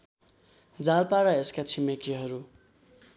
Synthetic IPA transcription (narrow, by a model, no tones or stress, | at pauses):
d͡zalpaɾʌeskat͡sʰimʌkiɦʌɾu